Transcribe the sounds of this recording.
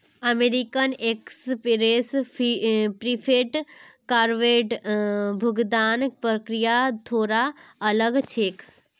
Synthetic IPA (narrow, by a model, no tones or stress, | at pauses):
ɐmeːɾikənekspɾeːs | pɾipʰeːʈkaɾʋeːʈbʱʊɡd̪aːnpɾəkɾijat̪ʰoːɾaɐləɡt͡ʃʰeːk